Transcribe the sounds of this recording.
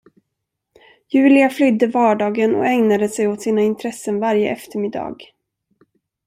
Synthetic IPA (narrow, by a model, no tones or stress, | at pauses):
jʉ̟ːlɪaflʏd̪ːəvɑːɖɑːɡənɔ̰ɛŋnad̪əsɛjot̪siːnaɪnt̪ʰɾɛsːənvaɾjə̰ʔɛft̪əɾmɪd̪ːɑ̰ːɡ